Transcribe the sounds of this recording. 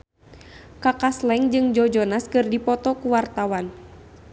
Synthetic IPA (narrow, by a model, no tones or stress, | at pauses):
kakaslɛŋd͡ʒɨŋd͡ʒɔd͡ʒɔnaskɨrdipɔt̪ɔkuwart̪awan